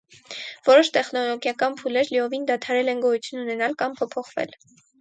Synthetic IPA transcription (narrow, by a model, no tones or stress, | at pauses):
vɔɾɔʃt̪ɛχnɔlɔɡjɑkɑnpʰulɛɾliɔvind̪ɑt̪ʰɑɾɛlɛnɡɔjut͡sʰjununɛnɑlkɑmpʰɔpʰɔχvɛ̰l